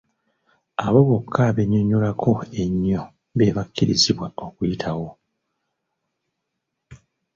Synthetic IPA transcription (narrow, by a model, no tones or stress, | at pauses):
aβo̞βokʰːaβe̞ɲoɲolakʰo̞e̞ɲːo̞ | βeβakːiɾḭziβwao̞kujitʰawo̞